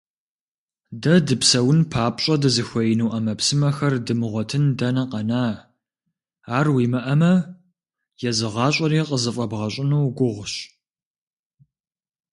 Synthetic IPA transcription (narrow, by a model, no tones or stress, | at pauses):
dɐdɨpsɐwʊnpʰaːpʼɕʼɐdɨzɨxʷɔjɪnuːʔɐmɐpsɨmɐxɐrdɨmɨʁʷɔtʰɨndɐnɐqɐnaː | aːrwiːmɐʔɐmɐ | jɛzɨʁɑːɕʼɐriːqʼəzɨfʼɐbʁɐɕʼɪnuːɡʷʊʁʷɕ